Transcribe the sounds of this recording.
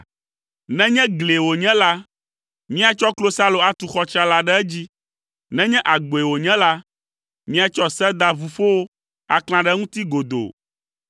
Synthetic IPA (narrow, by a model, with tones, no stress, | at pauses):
nɛ̃˦ɲɛ̃˦ɡle˨wo˨ɲɛ̃˦la˦ | mĩ˦a˨t͡ʃɔ˦klo˦sa˦lo˨a˨t̪u˨xɔ˦t͡ʃa˦la˦ɖɛ˦ɛ˦d͡ʑi˦ | nɛ̃˦ɲɛ̃˦ʔa˨ɡ͡bo˨e˨wo˨ɲɛ̃˦la˦ | mĩ˦a˦t͡ʃɔ˦sɛ˦d̪a˨vu˨fo˦wo˦ | a̰˨kl̃ã˨ɖɛ˦ŋũ˦t̪i˦ɡo˨d̪o̰˨